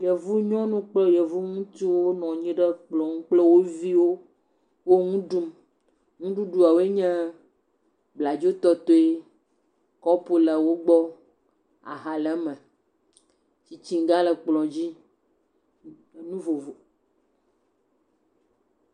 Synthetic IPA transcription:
jɛ˨vu˦ɲɔ̃˦nũ˦k͡plɔ˦jɛ˨vu˦ŋũ˦t̪i˦wo˦nɔ̃˨ɲĩ˦ɖə˦k͡plɔ̃˨ŋũ˦k͡plɛ˦wo˦vi˦wo˦ | wo˦ŋũ˦ɖu˦m | ŋũ˦ɖu˦ɖu˦a˨wo˦e˦ɲɛ̃˦ | bla˨d͡ʒo˦t̪ɔ˦t̪o˦e˦ | kɔ˦pu˦lə˨wo˦ɡ͡bɔ˦ | a̰˨ɦa˨lɛ˦mɛ̃˨ | t͡ɕi˦t͡ɕi˦ŋ˦ɡa˦lə˨k͡plɔ̃˨d͡ʑi˦˨ | nũ˦vo˨vo˨

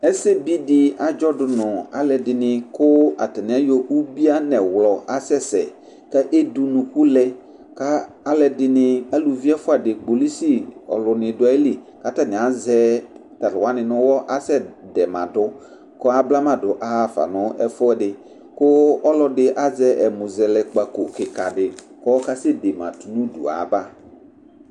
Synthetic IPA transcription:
ɛ˦sɛ˦bi˦dɪ˨a˨d͡ʒɔ˦dʊ˨nʊ̃˨a̰˨lɛ˨dɪ˨nɪ̃˨kʊ˦a̰˨tɛ˨nɪ̃˨˦a˦jɔ˦ʔu˦bi˦a˦nɛ˨wlɔ˨ʔa˦sɛ˦sɛ̰˨ | kɛ˦ʔe˦du˨nũ˨ku˦lɛ˦ | ka˦ | a˦lɛ˨dɪ˨nɪ̃˨a˦lu˨vi˦a˦fʊ˦a˨dɪ˨ɡ͡bo˨li˦si˦ɔ̰˨lʊ˨nɪ̃˨dʊ˨˦a˨˦li˨ | ka˦ta˦˨nɪ̃˨a˨zɛ˦ta˨ɾwa˦nɪ̃˨nʊ̃˦wɔ˦ʔa˦sɛ˦dɛ˨mã̰˨dʊ˦ | kɔ˦a˦bla˦mã˨dʊ˨ʔa˦ha˦fa̰˨nʊ̃˦ɛ̰˦fɔ˦ɛ˦dɪ˨ | kʊ˦ɔ˦lɔ˦dɪ˦ʔa˦zɛ˦ʔɛ˨mʊ̃˨zɛ˨lɛ˨k͡pa˨ko˨kɪ˨ka˨dɪ˨ | kɔ˦ka˦sɛ˦de˨mã̰˨tu˨nũ˦dṵ˨a̰˨˦ba˦

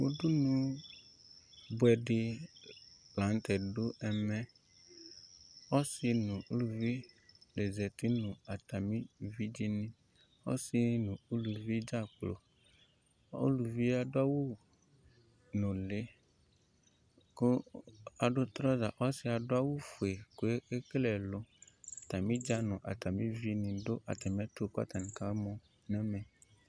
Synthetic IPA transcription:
wo˦du˦nũ˨ | bʊ˦ɛ˨ɖɪ˨ | plã˨˦n˦t̪ɛ˨ɖo˦ɛ˨mɛ̃˦ | ɔ˦sɪ˨nũ˨u˦lu˨vi˦le˨zɛ˨t̪i˦nũ˨a˨t̪a˨mĩ˦vi˦d͡ʒi˦nĩ˦ | ɔ̰˦sɪ˨nũ˨u˦lu˨vi˦d͡ʒa˦˨k͡plo̰˨ | o̰˦lu˨vi˦a˨ɖo˦a˦wo˦ | nũ˨le˨˦ | ko˦a˨ɖo˦t̪ɾɔ˦za˨ʔɔ˦si˦a˨ɖo˦a˦wo˦fo˨e˨ko˨e˦e˦klɛ˨lo˦a˨t̪a˨mĩ˦d͡ʒa˦nũ˨ʔa̰˨t̪a˨mĩ˦vi˦nĩ˨ɖo˦ʔa̰˨t̪a˨mĩ˦a˦t̪o˦ko˦a̰˦t̪a˨nĩ˨ka˦mɔ̃˦ | nɛ̃˦mẽ˨

